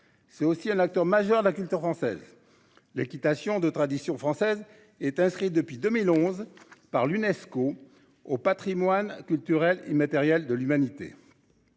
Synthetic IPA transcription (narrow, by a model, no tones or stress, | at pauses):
sɛt̪osiɛ̃nak̚t̪œʁmaʒœʁd̪əlakʲylt̪yʁfχɑ̃sɛ̰z | lekʲit̪asjɔ̃d̪ət̪χad̪isjɔ̃fχɑ̃sɛz | ɛt̪ɛ̃skχit̪̚d̪əpɥid̪əmilɔ̃zpaʁlynɛsko | opat̪χimwankʲylt̪yʁɛlḛmat̪ɛʁjɛld̪əlymanit̪ḛ